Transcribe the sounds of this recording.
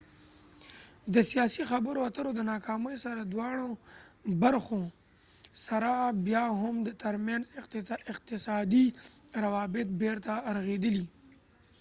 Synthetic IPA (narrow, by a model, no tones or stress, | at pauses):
d̪əsijɑsixabəɾoat̪əɾod̪ənɑkɑməjsaɾad̪wɑɽ̃obaɾxo | saɾabjɑɦʊmd̪ət̪əɾmjanzɪqt̪ɪsɑd̪iɾawɑbɪt̪̚beɾt̪aɾaɣed̪əli